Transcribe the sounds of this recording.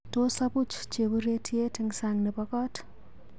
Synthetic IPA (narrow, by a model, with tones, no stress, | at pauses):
to˦sa˦bu˦t͡ʃt͡ʃe˨bu˦ɾe˦tʰje˦tɪŋsa˨ŋnɛ˨pɔ˦kɔ˦t